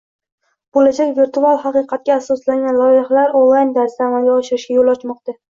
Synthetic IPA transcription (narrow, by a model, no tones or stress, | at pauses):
b̥olad͡ʒakʲviɾt̪ʰualˠhɑqɨjqʰɑt̪̚kʲaːsɒslaŋɡʲanlˠɒjɪhlaɾonlˠajnd̪aɾsaamalɡʲaɒʃɪɾɪʃɡʲajolˠɒt͡ʃmɒqt̪a